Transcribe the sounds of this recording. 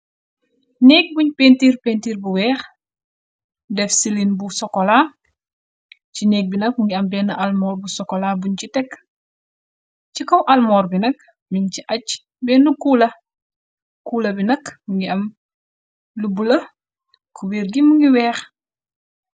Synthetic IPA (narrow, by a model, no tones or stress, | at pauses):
nɛːk̚buɲpeːntiːrpentiːɾbuwɛːx | dɛfsilinbusɔkːɔlaː | cinɛːk̚binɐk̚muŋɡiɐmbɛːnɐʔɐlmɔːrbusɔkːɔlaːbuɲcitɛkː | cikɔwʔɐlmɔːrbinɐk | miɲciʔɐc | bɛːnːukuːlɐ | kuːlɐbinɐkmuŋɡiɐm | lubulɐ | kuwiːrɡimuŋɡiwɛːx